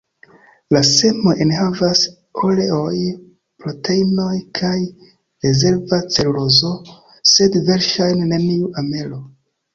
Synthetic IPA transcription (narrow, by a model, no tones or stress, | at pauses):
lase̞mo̞ʔenhavas | kʰoleo̞j | pɾo̞tʰe̞ino̞jkʰaj | ɾe̞ze̞ɾvat͡se̞ɾulo̞zo̞ | se̞dve̞ɾʃajnne̞niuʔame̞lo̞